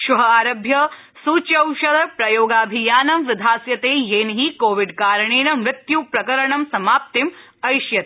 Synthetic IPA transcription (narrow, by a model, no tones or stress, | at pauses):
ʃuɦɐaːɾɐbʱjɐ | suːt͡ʃɐwʃɐd̪ɐpɾɐjoːɡaːbʱijaːnɐmʋɪd̪ʱaːsjɐt̪eːjeːnɦikoːʋiɖkaːɾɐɳeːnɐmɾɪt̪jupɾɐkɐɾɐɳɐmsɐmaːp̚t̪im | ɐjʃjɐt̪ː